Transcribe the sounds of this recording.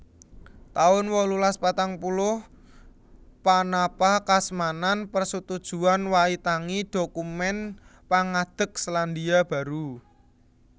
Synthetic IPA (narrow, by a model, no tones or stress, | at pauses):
t̪aʊnwɔlulaspat̪aŋpulʊh | panapahkasmananpərsut̪ud̥ʒ̥ṳanwait̪aŋid̪̥okumɛnpaŋad̪̥ə̤k̚sland̪iab̥ä̤ɾu